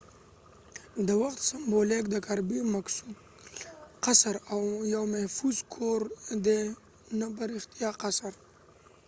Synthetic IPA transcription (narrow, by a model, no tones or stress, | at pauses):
d̪əwaxt̪sɪmbolek̚d̪əkaɾbimaksud̪ | qasɾawjawmahfuzkʰoɾd̪e | nap̬aɾixt̪ijaqasaɾ